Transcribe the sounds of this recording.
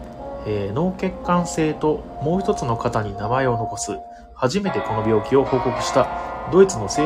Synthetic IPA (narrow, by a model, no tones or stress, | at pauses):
eːno̞ːke̞kːãɰ̃se̞ːt̪o̞ | mo̞ːçi̥t̪o̞t͡sɨno̞kat̪aɲ̟inamae̞o̞no̞ko̞sɨ | haʑime̞t̪e̞ko̞no̞bʲjo̞ːkʲio̞ho̞ːko̞kɯ̟̥ɕi̥t̪ad̪o̞it͡sɨno̞seː